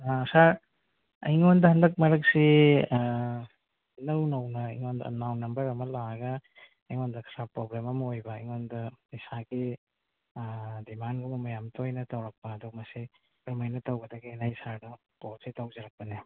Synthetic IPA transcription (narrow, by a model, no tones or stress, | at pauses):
asaɾ | ɐ̰jŋondɐɦɐndɐk̚mɐɾɐk̚si | nɐwnɐwnɐiŋondɐ̰nawnɐmbɐɾɐmɐlaɐɡɐ | ɐjŋondɐkʰɾapɾoblemɐmɐojbɐːjŋondɐisaɡi | dimanɡumɐmɐjamtʰojnɐtɐwɾɐk̚pɐːdɔmɐsi | ɾɐmajnɐtɐwɡɐdɐɡinajsaɾdɐ | poɾsitawzɐɾɐk̚pɐni